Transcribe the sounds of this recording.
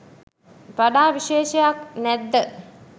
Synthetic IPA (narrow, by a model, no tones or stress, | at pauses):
ʋaɖaːʋiʃeːʃəjaknɛd̪ːə